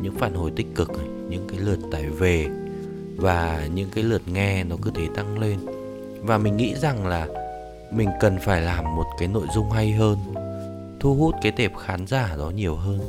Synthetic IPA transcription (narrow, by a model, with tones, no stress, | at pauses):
ɲɨ̰˧˥ŋfaː˧˩nho˧˩jt̪ï˦˥k̟̚kɨ˨˩k̚ | ɲɨ̰˧˥ŋkaː˨˦jlɨ˨˩ət̚t̪aː˧˩jve˨˩ | vaː˨˩ɲɨ̰˧˥ŋkaː˨˦jlɨ˨˩ət̚ŋɛ˧nɔ˨˦kɨ˨˦t̪ʰe˧˩t̪a˧ŋle˧n | vaː˨˩mï˨˩ŋ̟ŋḭ˧˥za˨˩ŋlaː˨˩ | mï˨˩ŋ̟kə˨˩nfaː˧˩jlaː˨˩mːo˨˩t̚kaː˨˦jno̰˧˨jzʊ˧ŋ͡mɦa˧jɦəː˧n | t̪ʰu˧ɦu˦˥t̚kaː˨˦jt̪e˨˩p̚xaː˨˦nzaː˧˩ɗɔ˨˦ɲi˨˩əwɦəː˧n